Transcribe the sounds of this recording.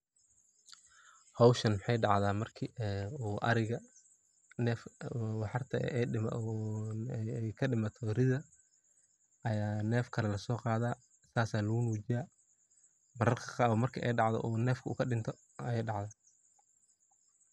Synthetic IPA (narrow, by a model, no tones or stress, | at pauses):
hɔwʃɐnmħɑjɖɑʕðaːmɐrkʰiɛuːʔɐɾɪɣɐ | nɛːfwɑħɑrt̪ʰɐ̰ɛɪ | jkʰɐɖɪmɐt̪ʰɔɾɪðɐ | ɐjaːnɛːfkʰɐlɛlɐsɔːqɑːðaː | saːsaːlɐɣʊnuːt͡ʃɪjaː | mɐɾɐrkʰɐ̥qɑːβmɐrkʰiʔɛjɖɑʕðɔ̰ʔɔːnɛːfkʰɐṵːkʰɐɖɪnt̪ʰɔ | ɐjɛjɖɑʕðaː